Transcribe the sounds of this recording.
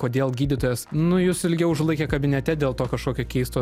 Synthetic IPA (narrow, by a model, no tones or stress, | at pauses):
koːd̪ʲeːlˠɡʲiːd̪ʲɪt̪oːjɛsnʊjʊsɪlʲɡʲɛʊʊʒlˠɐɪkʲɛːkɐbʲɪnʲɛt̪ʲɛd̪ʲeːlˠt̪oːkɐʃkoːkʲoːkʲɛɪst̪oː